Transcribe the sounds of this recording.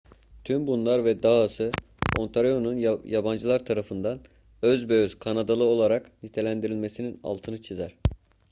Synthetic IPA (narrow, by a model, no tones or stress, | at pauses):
t̪ʰymbunlˠaɾvɛd̪aɦasɯ | o̞̰nt̪ʰaɾijonunjaband͡ʒɯlˠaɾt̪ʰaɾafɯnd̪an | øzbøyz̥kʰanad̪alˠɯo̞lˠaɾaknit̪ʰe̞lʲænd̪iɾilʲme̞sinina̰lˠt̪ʰɯnɯt͡ʃʰizæɾ̥